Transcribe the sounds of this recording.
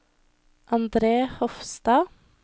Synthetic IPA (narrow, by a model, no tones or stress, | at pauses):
ʔɑnd̪ɾeːhɔfst̪ɑː